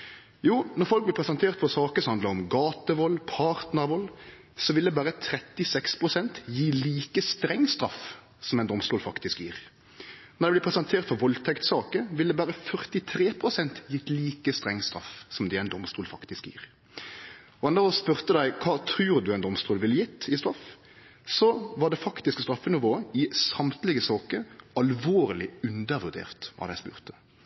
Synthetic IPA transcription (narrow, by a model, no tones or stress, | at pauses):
juːnɔʁfɔlk̚blɪpʰɾɛsɑnt̪ʰeːʁt̪fɔsɑːkəsɔmhɑnd̪ləʁɔmɡɑːt̪əʋɔlpʰɑʁt̪nəʁʋɔlː | sɔʋɪld̪ɛbæːɾət̪ʰɾɛt̪ːɪsɛkspʰʁʊsɛnt̪jiːliːkəst̪ɾɛŋːst̪ɾɑf | sɔmɛɪnd̪ɔmst̪uːlfɑkt̪ɪskjiːʁ | nɔd̪ɛblɪpʰɾɛsɑnt̪ʰeːʁt̪fɔʋɔlt̪ʰɛkt̪sɑːkəʋɪld̪ɛbæːɾəfœʁt̪ɪt̪ʰɾeːpʰʁʊsɛnt̪jɪt̪ːliːkəst̪ʁɛŋːst̪ɾɑ̰fsɔmd̪ɛɛɪnd̪ɔmst̪uːlfɑkt̪ɪskjḭːʁ | ɔɛnd̪əʁɔspʉʁt̪əd̪æɪkʰɑːt̪ʰɾʉːʁd̪ʉɛɪnd̪ɔmst̪uːlʋɪləjɪt̪ːɪst̪ɾɑf | sɔʋɑʁdɖ̪ɛfɑkt̪ɪskst̪ɾɑfːənɪʋoːəɪsɑmt̪lɪɡəsɑːkəɑlʋoːɾəlɪʉnd̪əɾʋʉʁd̪ḛːʁt̪ʋɑ̰d̪æɪspʉ̰ːʁt̪ə̥